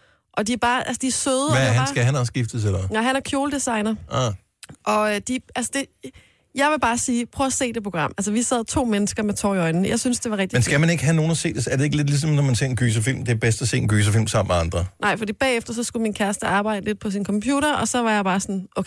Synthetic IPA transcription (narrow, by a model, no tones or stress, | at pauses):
ʔɒ̽d̥iæɐb̥ɑ̈ːʔælsəd̥iɐsøːðˠhænsɡ̥æænɐsɡ̥ifd̥əs̬elɐnɑɦænæɐkʰjo̝ːləd̥esɑ̈ɪnɐɑ | ʔɒ̽d̥iælsəd̥e̝ | jɑ̈ɪʋe̝b̥ɑ̈ːsiːpʰʁœːɒɐse̝̰ːd̥epʰʁoɡ̥ʁɑ̈m̰æls̬əʋisɛð̞̰ˠt͡sʰo̝̰ːmenəsɡ̥ɐmet͡sʰɒ̰ːiɒ̽ɪnn̩jʔɑ̈ɪsynsd̥e̝ʋɑ̈ʁɛɡ̥̚d̥mensɡ̥æmæne̝ɡ̥əɦæno̝ːnɐse̝̰ːd̥esæɐdee̝ɡ̥əle̝d̥lis̬ɒ̽mnɒmænse̝ɐenɡ̥yːs̬ɐfil̰md̥e̝æɐb̥esd̥æse̝̰ːenɡ̥yːs̬ɐfil̰msɑ̈m̰meɑ̈nd̥ʁɐnʔɑ̈ɪfd̥ḭːb̥ɛ̰ːefd̥ɐsɒ̽sɡ̥uminkʰæɐsd̥əɑ̈ːb̥ɑ̈ɪdəle̝d̥̚pʰɒ̽sinkʰɒ̽mpʰjṵːɾɐɒ̽sɒ̽ʋɑ̈jɑ̈ɪb̥ɑ̈ːsɒ̽nʔokʰ